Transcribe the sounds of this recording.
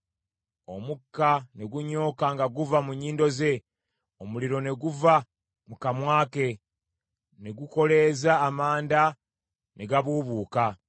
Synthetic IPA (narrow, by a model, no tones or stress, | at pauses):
o̞mukːane̞ɡuɲo̞ːkaŋɡaɡuvamuɲːiːndo̞ze̞ | omuliɾo̞ne̞ɡuva | mukamwaːke̞ | ne̞ɡuko̞le̞ːzaːmaːnda | neɡaβuːβuːka